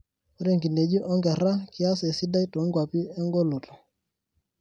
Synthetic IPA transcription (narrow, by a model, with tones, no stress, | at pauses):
ɾe˦˨ŋɡi˨ne˨d͡ʒi˦ʔɔ˦ŋɡɛ˨ɾa˦ki˦a˦se˨si˦da˦i˦to˨˦ŋɡwa˨pi˦ɛ˦ŋɡɔ˦lɔ˨tʰɔ̥˨